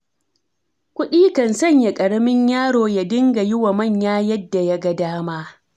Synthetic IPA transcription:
kʷʊ˦ɗiː˦kɐ˨nsɐ˦˨ɲja˨kʼɐ˨ɾɐ˦mɪ˦ɲjaː˦ɽoː˨ja˦dɪ˦ŋɡa˨jɪ˦wa˨mɐ˦˨ɲjaː˦jɐ˦dːa˨ja˦ɡɐ˨daː˦maː˦

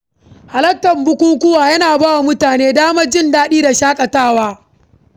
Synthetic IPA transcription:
ha˨lɐ˦ktɐ˨mbʊ˦kʷuː˦kʷʊ˦waː˨jɐ˦naː˨baː˦wa˨mʊ˦taː˨neː˦daː˦mɐ˦d͡ʒɪ˦ndaː˦ɗiː˦da˨ʃaː˦kʼɐ˨taː˦˨waː˦

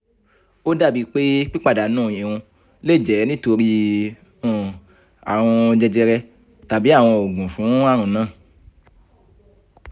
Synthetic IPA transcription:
o˦da˦˨bi˦k͡pe˦k͡pi˦k͡pa˦˨da˨˦nũ˦˨e˨wũ˧ | le˦˨d͡ʒɛ˨˦nĩ˦to˧ɾĩ˧˦˨ | a̰˨w̃ɔ̃˧d͡ʒɛ˧d͡ʒɛ˧ɾɛ˧ | ta˨bi˨˦a˦˨w̃ɔ̃˧o˨ɡũ˨fũ˨˦a˦˨ɾũ˧nãː˦˨

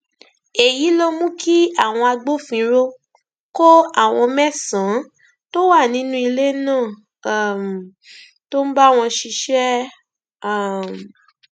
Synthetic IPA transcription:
e˨ji˨˦lo˧mũ˦kʰi˦a˦˨w̃ɔ̃˧a˧ɡ͡bo˦fĩ˧˦ɾo˧ | ko˦a˦˨w̃ɔ̃˧mɛ˦sã˨˦ | to˦wa˦˨nĩ˨˦nũ˦i˧le˦nãː˦˨˦ | m˨ | to˦m̩˦ba˦˨w̃ɔ̃˧ʃi˧ʃɛ˦˨ | m˨

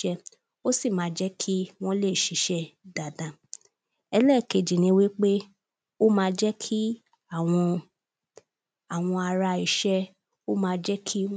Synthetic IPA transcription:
ɛ˧ | o˦si˦˨mãː˨˦d͡ʒɛ˦kʰi˦w̃ɔ̃˦le˦˨ʃi˨˦ʃɛ˦da˨dã˨ | ɛ˧lɛ˦˨ke˧˨d͡ʒĩ˨nĩ˧˦wi˦k͡pe˦ | o˦mãː˧d͡ʒɛ˦kʰi˦ | a˦˨w̃ɔ̃˧ | a˨w̃ɔ̃˧a˧ɾa˧i˨ʃɛ˦ | o˦mãː˧˦d͡ʒɛ˦kʰi˦

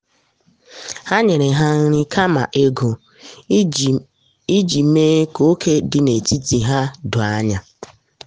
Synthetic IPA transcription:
ha˦ɲe˨ɾe˨ɦa˦ŋ̩˦ɾi˦kʰa˦ma̰˨ʔe˦ɡo˨ | i˦d͡ʒi˨meː˦ko˦kʰe˦dɪ˨ne˨ti˦ti˨ɦa˦dʊ˨a˦ɲa˨

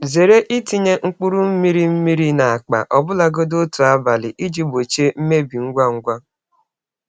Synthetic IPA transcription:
ze˨ɾe˦ʔi˦ti˦ɲe˦ŋ̩˦k͡pu˦ɾu˦m̩˦mi˦ɾi˦m̩˦mi˦ɾi˦na˨a˨k͡pa̰˨ʔɔ˨bʊ˦la˨ɡo˦do˦tu˨a˦ba˨lɪ˨ʔi˦d͡ʒi˦bo˨t͡ʃe˦m̩˦me˦bi˨ŋ̩˦ɡʷa˦ŋ̩˦ɡʷa˦

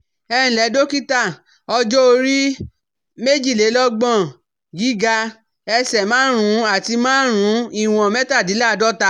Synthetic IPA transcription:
ɛ˧ĩ˨lɛ˨˦do˦ki˦ta˦˨ | ɔ˧d͡ʒɔ˦o˧ɾi˦ | me˦d͡ʒi˦˨le˨˦lɔ˦ɡ͡bɔ̃˦˨ | ɡi˦ɡa˧ | ɛ˧sɛ˨mãː˦ɾ̃ũ˨˦a˦˨ti˧mãː˦ɾ̃ũ˨˦i˦˨w̃ɔ̃˨mɛ˦ta˦˨di˨˦la˦˨˧dɔ˦ta˧˦

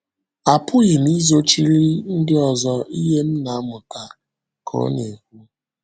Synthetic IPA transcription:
a˨pʊ˦ɣɪ˨m˦i˦zo˦t͡ʃi˦ɾi˦n̩˦dɪ˦ɔ˨zɔ˦i˦ɦe˦m̩˦na˨a˦mʊ˨ta˨ | kʰɔ̰˦ne˨hu˦

